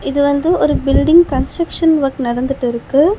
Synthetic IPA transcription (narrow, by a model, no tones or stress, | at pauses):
ɪðɯʋɐnd̪ɯɔɾɯbɪlɖɪŋɡkɐnsʈɾɐkʂɐnʋɐɾknɐɽɐnd̪ɯʈːɪɾɯkːɯ